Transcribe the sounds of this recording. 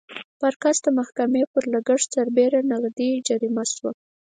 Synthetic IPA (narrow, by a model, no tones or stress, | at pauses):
paɾkasd̪əmahkamepəɾlaɡaɽt͡saɾbeɾanaɣd̪id͡ʒaɾimaswa